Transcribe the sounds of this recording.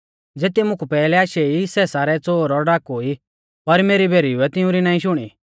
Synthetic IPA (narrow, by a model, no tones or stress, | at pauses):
d͡zeːt̪imʊ̃kʰupɛːlɛaːʃeisɛːsaːɾɛt͡soːɾɔɖaːkɦoːi | pɐɾmeːɾibʱeːɾiuɛt̪ɪũɾinãːĩʃʊɽ̃ḭ